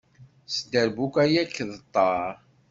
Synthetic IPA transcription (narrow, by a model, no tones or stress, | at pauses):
sd̪əɾbukʷæjækːðət̪ˤːɑɾ